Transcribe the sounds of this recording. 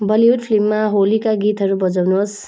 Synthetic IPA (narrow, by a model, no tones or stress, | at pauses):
bʌliud̪pʰlimːaɦolikaɡit̪ɦʌɾubʌd͡zawnuɦos